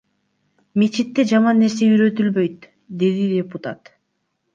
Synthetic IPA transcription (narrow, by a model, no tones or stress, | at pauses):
met͡ʃit̪ːe̞d͡ʒɑmɑnːe̞ɾse̞yɾø̞t̪ylβø̞jt̪ | d̪e̞d̪idepʊt̪at̪